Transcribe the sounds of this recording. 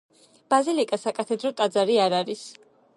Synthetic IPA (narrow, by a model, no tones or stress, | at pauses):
b̥azilikʼasakʼat̪ʰɛd̪ɾɔt̪ʼad̪zaɾiaɾaɾis